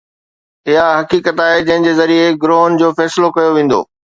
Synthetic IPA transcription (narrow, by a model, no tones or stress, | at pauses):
ɪɦaɦɐkiːkət̪aːɦed͡ʑɐ̃ɦɪ̃ɲd͡ʑeːzɐɾieɡɾoːnd͡ʑoːfɛːsɪlokɐjoʋẽːn̆d̪o̰ː